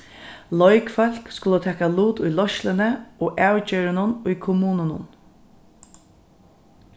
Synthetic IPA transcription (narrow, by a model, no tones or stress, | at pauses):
lɔjkfœl̥kskʊlət̪ʰɛːkaluːt̪ʊjlɔʃlɪnəoːʔæːwt͡ɕœːɾɪnʊnʊjkʰʊmuːnʊnʊ̰n